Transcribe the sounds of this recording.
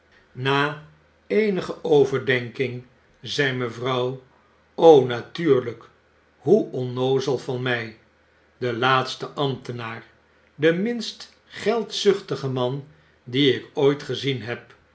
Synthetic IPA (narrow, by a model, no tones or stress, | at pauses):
naː | ejnəχəʔowvəɹdɛŋkɪŋ | zɛjməvrʌw | ownatyːɹlək | ɦuʔɔnowzəlˠvɑnmɛj | dəlaːtstəʔɑmtənaːr | dəmɪnst | χɛlˠtsʏχtəχəmɑn | diɪkojtχəzinɦɛp̚